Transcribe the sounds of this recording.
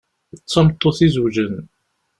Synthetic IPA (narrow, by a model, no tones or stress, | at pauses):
t͡sːɑmt̪ˤːoθizwʒən